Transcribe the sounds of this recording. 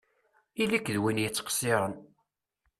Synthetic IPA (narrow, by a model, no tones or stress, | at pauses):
ilikːðwinjət͡sːqə̥sːɪɾˤən